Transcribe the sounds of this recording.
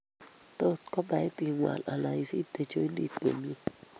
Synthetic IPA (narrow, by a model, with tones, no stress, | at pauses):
t̪o˦tkɔ˦ba˨i˦t̪i˧˨ŋwa̰˨lʔa̰˨la˨i˨si˦t̪e˨t͡ʃo˦i˦ndi˦kḛ˨m˦i˦